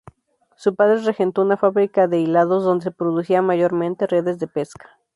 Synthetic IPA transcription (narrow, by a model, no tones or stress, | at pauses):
supaðɾe̞rexe̞nt̪o̞unafaβɾikaðe̞ilaðo̞zðo̞nd̪e̞sepɾo̞ðusiamaʝo̞ɾmẽ̞nt̪e̞re̞ðe̞zðe̞pe̞skḁ